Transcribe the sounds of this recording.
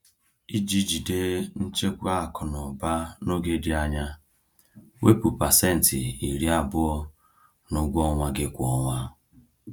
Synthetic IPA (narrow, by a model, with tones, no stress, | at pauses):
i˦d͡ʒi˦d͡ʒi˨de˦n̩˦t͡ʃe˦kʷa˦˨kɔ˨nɔ˨ba˦no˦ɡe˦di˨˦a˦ɲa˦ | we˦pu˨pa˨se˦n̩˨tɪ˨i˨ɾi˦a˨bʊ˦ɔ˦ | nʊ˦ɡʷɔ˦ŋʷa˦ɡɪ˦kʷɔ˦ŋʷa˦